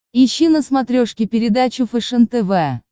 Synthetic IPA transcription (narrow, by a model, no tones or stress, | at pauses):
iɕːinəsmat̪ɾʲoʂkʲɪpʲɪɾʲɪd̪at͡ɕʊfɨʂənt̪ɛvɛ